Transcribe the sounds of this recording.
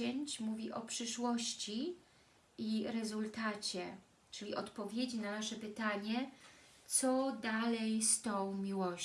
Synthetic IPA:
ɛɲt͡ɕmuvʲiʔɔpʂɘʂwɔɕt͡ɕi | iɾɛzult̪at͡ɕɛ | t͡ʂɘlʲiʔɔt̪pɔvʲjed͡ʑinanaʂɛpɘt̪aɲɛ | t̪sɔd̪alɛjst̪ɔ̃w̃mʲiwɔ

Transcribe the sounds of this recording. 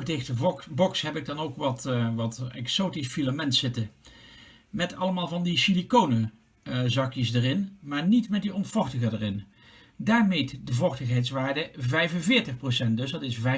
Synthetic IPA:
dɪxtəbɔksɦɛbɪɡ̚dɑnowkʋɑtʋɑtɛksowtisfilamɛntsɪtə | mɛtɑlˠəmaːlˠvɑndiʃilikownə | zɑkjəsdərɪnmaːɹnitmɛt̚diɔnfɔχtəχədərɪn | daːɹmejtdəvɔχtəχɦɛjtsʋaːɹdəvɛjvənvɪːɹtəxprosɛnt̚dɵsdɑtɪsvɛ

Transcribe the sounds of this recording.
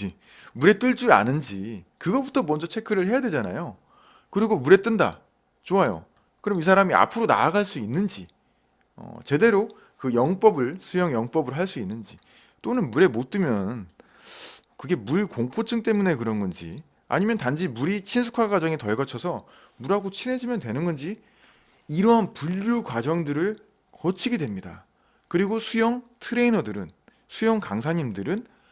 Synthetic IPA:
i | muɾe̞t͈ɯɭt͡ɕ͈ua̰nɯnd͡ʑikɯɡʌbutʰʌmʌnd͡ʑʌt͡ɕʰekʰɯɾɯɭhe̞jadwe̞d͡ʑana̰jo | kɯɾiɡomuɾe̞t͈ɯnda̰ | t͡ɕoajo̰ | kɯɾʌmis̬ʰaɾamia̰pʰɯɾona̰ɡaɭs͈uinːɯnd͡ʑi | ʌ̰t͡ɕe̞de̞ɾo | kɯjʌŋp͈ʌbɯɭsʰujʌŋjʌŋp͈ʌbɯɾoɦaɭs͈uinːɯnd͡ʑi | t͈onɯnmuɾe̞mot̚t͈ɯmjʌn | kɯɡe̞muɭkoŋpʰot͡ɕʰɯŋt͈e̞mune̞kɯɾʌnɡʌnd͡ʑḭ | a̰ɲimjʌntand͡ʑimuɾit͡ɕʰinsʰu̥kʰaɡwad͡ʑʌŋitʌɭɡʌt͡ɕʰʌsʰʌ | muɾɦaɡot͡ɕʰinɦe̞d͡ʑimjʌntwe̞nɯnɡʌnd͡ʑi | iɾʌɦanpuʎːukwad͡ʑʌŋdɯɾɯɭ | kʌt͡ɕʰiɡedwe̞mɲida̰ | kɯɾiɡosʰujʌŋtʰɯɾe̞inʌdɯɾɯn | sʰujʌŋkaŋsʰaɲimdɯɾɯn

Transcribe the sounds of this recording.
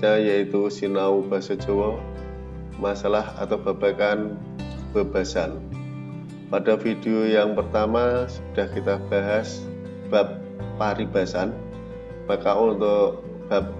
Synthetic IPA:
ajait̪usinaub̥a̤sad͡ʒowɔ | masalaha̰t̪awb̥a̤b̥akan | b̥a̤b̥a̤san | padafid̥eojaŋpərt̪amasəd̥a̤hkit̪ab̥aɦas | b̥ap̚ː | aɾib̥a̤san | makaʔunt̪o | b̥ap̚

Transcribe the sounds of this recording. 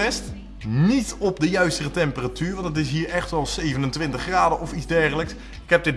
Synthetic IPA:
ɛst | nitɔpdəjœɥstərətɛmpəratyːɹʋɑntət̬ɪs̬ɦiːɹɛχtɛlˠsejvənəntʋɪntəχraːdəɔfidzdɛɹχələks | ɪkɦɛp̚dɪt̚

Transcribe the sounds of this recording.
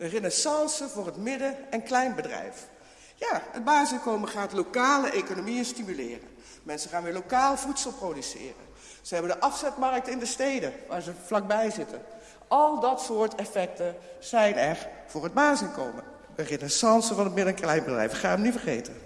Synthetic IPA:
dərɪnəsɑnsəvʊːrɦətmɪdəɛnklɛjnbədrɛ̰jf | jaːəd̚baːzɪnkowməχaːtlokaːləʔejkonomiənstimylɪ̰ːrə̰n | mɛnsəχaːnʋɪːɹlokaːlˠv̥utsəlˠprodysɪ̰ːrə̰n | səɦɛbəndəʔɑfsɛtmɑrk̚tɪndəstejdəʋaːɹzəflɑk̚bɛjzɪtʰən | ʔɑlˠdɑtsʊːɹtɛfɛk̚tənz̥ɛjnɛχv̥ʊːrɦəd̚baːzɪnko̰wmən | dərɪnesɑnsəvɑnɦətmɪdəɛnklɛjnbədrɛ̰jfɪkχaːnəmnivərχejtən

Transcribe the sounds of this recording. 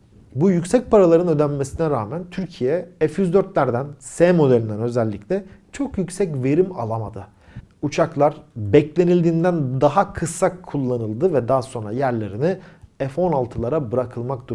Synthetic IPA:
bujycsɛc̚pʰaɾalˠaɾɯnø̞d̪ænme̞sinɛɾaːmænt̪ʰyɾcʰijɛɛfjyzd̪øɾt̪lʲæɾd̪ænsɛːmo̞d̪elʲind̪ænø̞zɛlʲːiclʲɛt͡ʃʰo̞kjycsɛcve̞ɾima̰lˠama̰d̪ɯ | ut͡ʃʰaklˠaɾbɛclʲe̞nilʲd̪iːnd̪ænd̪aɦakʰɯsːakʰːulˠːanɯlˠd̪ɯvɛd̪aːso̞nɾa̰jæɾlʲe̞ɾiniɛfo̞nalˠt̪ʰɯlˠaɾabɯɾakʰɯlˠmak̚d̪u

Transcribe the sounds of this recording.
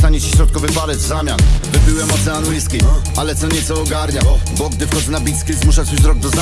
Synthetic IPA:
t̪aɲɛɕɛ̥ɕɾɔt̪̚kɔvɘpalɛzzamʲjanvɨbɘwɛmɔt̪sɛanuiskʲi | alɛt̪sɔɲɛt̪sɔːɡaɾɲabɔɡd̪ɪfkɔznabʲit̪skʲezmuʂat͡ɕuzɾɔɡ̚d̪ɔza

